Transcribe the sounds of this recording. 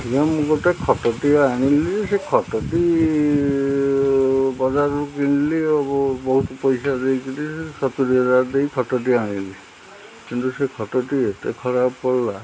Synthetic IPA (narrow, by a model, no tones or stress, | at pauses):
kijãmũkɔtekʰɔtɔʈiaɽ̃ilisekʰɔʈɔʈi | bɔd͡ʒaɾɔɾukiñiliɔbɔbɔɦut̪ɔpɔjsad̪ejkiʈisesɔt̪uɾiɔd͡ʒaɾd̪ejkʰɔʈɔʈ̬iaɽ̃ili | kint̪usekʰɔʈɔʈiet̪ḛkʰɔɾabkɔɾla